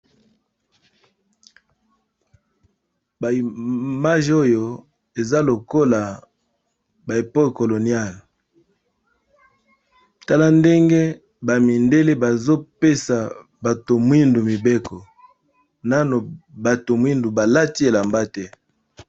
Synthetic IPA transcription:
ba˨i˨ma˦ʒo˦jo˨ | e˨za˦lo˨ko˦la˨ | ba˨e˨po˦kko˨lo˨nja˦˨l | ta˦la˦nde˦ŋɡe˦ | ba˨mi˨nde˦le˦ba˨zo˦pe˦sa˨ | ba˨to˨mwi˦ndu˨mi˨be˦kɔ˨ | na˦no˨ba˨to˨mwi˦ndu˨ba˨la˦ti˦e˨la˨mba˦tɛ˦

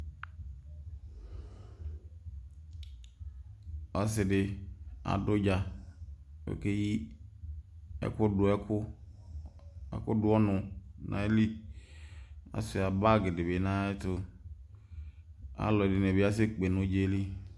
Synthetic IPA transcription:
ɔ˨sɪ˨dɪ˨a̰˨dʊ˦d͡ʒa˨ | wḛ˨ke˦ji˦ | ɛ̰˦kʊ˦dʊ˨ɛ˦kʊ˦ | ɛ̰˨kʊ˦dʊ˦ɔ˦nʊ˨nʔã̰˨e˦li˦ | a̰˨sɪ˨a˨ba˦˨ɡɪ˨dɪ˨be˨nã˦ɛ˦tʊ˨ | a̰˦lɔ˨dɪ˨ne˨bɪ˨˦a˦s̬ɪ˦k͡pe˨nʊ̃˦d͡ʒe˦li˦

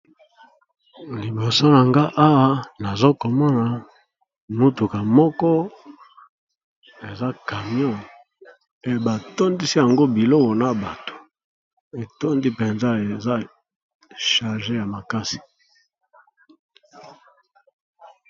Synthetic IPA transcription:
li˨bo˨so˦na˨ŋɡa˦ʔa˦wa˦na˨zo˦ko˨ma˦na˨ | mu˦tu˨ka˨mɔ˦kɔ˦ | e˨za˦ka˨mjɔ̃˦˨ | e˨ba˨to˦ndi˦si˦ja˨ŋɡo˦bi˨lɔ˦kɔ˨na˨ba˨to̥˨ | e˨to˦ndi˦pe˨nza˦e˨za˦ | ʃa˨ʁʒe˦ja˨ma˨ka˦si̥˨

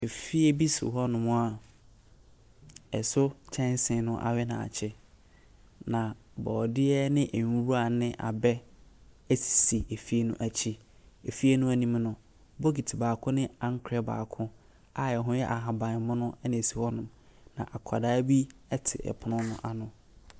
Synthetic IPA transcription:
e˨fi˦e˦bi˦sḭ˨ɦɔ˦nʊ̃˨mʊ̃˦a˦˨ | ɛ˨sʊ˦t͡ɕʰɛ̃˦n˦sɪ̃˨nʊ̃˦ʔa̰˨ɥɛ˦nã̰˨a̰˨t͡ɕʰɪ˦ | nã˨bɔː˨dɪ˦ɛ˦nɪ̃˦ʔe˨˦ɾu˦a˨nɪ̃˦ʔa̰˨bɛ˦ | æ˦si̥˨si˨e˨fi˦e˦nṵ̃˦ʔæ˨t͡ɕʰi˦ | e˨fi˦e˦nʊ̃˦æ˦nĩ˦mnʊ̃˨ | bo˦ɡi˨tʰi˨baː˨kʰʊ̃˦nɪ̃˦ã˦ŋ̩˦kʰɛ˦ba̰ː˨kʰʊ̃˦ | a˨ɛ˨ɦʊ̃˦jɛ˦ʔa˨ɦã˨bã˨n˨mʊ̃˦nʊ̃˦ɛ˦nɪ̃˨si˨hɔ˦nʊ̃˨m | nã̰˨ʔa˨kʰa˨daː˨˦bi˦ɛ˦tʰɪ̰˨ʔɛ̰˨pʰʊ˨nʊ̃˦nʊ̰̃˦ʔa˨nʊ̃˨

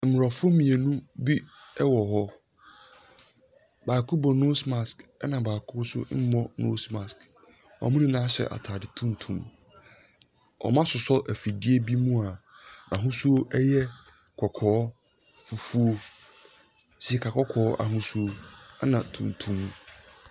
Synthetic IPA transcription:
m̩˨ʊ˨ɾa˨fo˦mĩ˨e˨nũ˦bi˦ɛ˦wɔ˨ɦɔ˦ | baː˨kʰu˦bɔ˨no˦sma˨skɛ˦nã˨baː˨kʰʊ˦sʊ̰˦m̩˦mɔ̃˦no̰˦sma˨sk | a̰˨mũ˦nĩ˦nãː˦ɕɛ̰˨ʔa̰˨tʰaː˨dɪ˨tʰũ˦n˨tʰṵ̃˨m | ɔ̰˨mã˦sʊ˨sɔ˦ʔæ˨fi˨dɪ˦e˦bi˦mũ˦a˨ʔã˨ɦʊ̃˦su˦o˦ʔɛ˦jɛ˦˨ | kʰɔ˨kʰɔː˨˦ | fu˨fu˦o˦ | si˨ɛ˨kʰa˨kʰɔ˦kʰɔː˨˦ʔa̰˨ɦũ˦su˦o˦a˦nã˨tʰṵ̃˨n˨tʰũ˦m̃˦

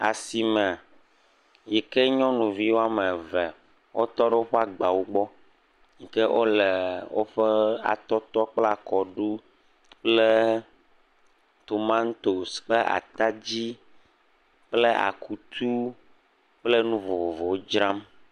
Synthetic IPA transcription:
a̰˨si˨mɛ̃˨ | jɛ˨kɛ˦ɲɔ̃˦nũ˨vi˦wo˦a˦mɛ˨vɛ˨ | wʔo˦t̪ɔ˦ɖɛ˦wo˦ɸɛ˦a˦ɡ͡ba˨wo˦ɡ͡bɔ˦ | ɲi˨kɛ˦ʔo̰˦lɛ˨wo̰˦ɸɛ˦a̰˨t̪ɔ˦t̪ɔ˦k͡pla˨kɔ˨ɖu˦ | k͡ple˦ | t̪o˨mã˦n˦t̪o˨sk͡pe˦ʔa̰˨t̪a˦d͡ʑi˦ | k͡ple˦a̰˨kʰu˦t̪ʰu˦ | k͡ple˦nũ˦vo˨o˨vo˨wo˦d͡ʒɾa˦m

